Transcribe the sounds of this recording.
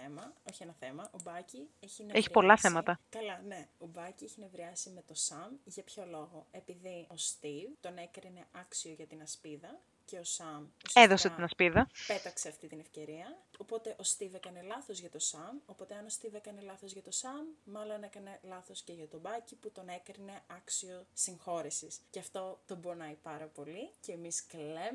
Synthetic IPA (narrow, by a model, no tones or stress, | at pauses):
emɐo̞çienɐθe̞mɐʔo̞bɐcieçineeçi̥po̞lɐθemɐt̪ɐkɐlɐne̞o̞bɐcieçinevɾiɐsime̞t̪o̞sɐmʝɐpço̞lo̞ɣo̞e̞piðio̞st̪ivt̪o̞ne̞kɾine̞ɐksio̞ʝɐt̪inɐspiðɐ | ce̞o̞sɐmoseðoset̪inɐspiðɐpe̞t̪ɐkse̞ɐft̪it̪inefce̞ɾiɐopo̞t̪e̞ʔo̞st̪ivekɐne̞lɐθo̞zʝɐt̪o̞sɐmo̞po̞t̪e̞ɐno̞st̪ivekɐne̞lɐθo̞zʝɐt̪o̞sɐmːɐlo̞ne̞kɐne̞lɐθo̞sce̞ʝɐt̪o̞bɐciput̪o̞ne̞kɾine̞ɐksio̞siŋxo̞ɾisisceɐft̪o̞t̪o̞bonɐipɐɾɐpo̞liceːmiskle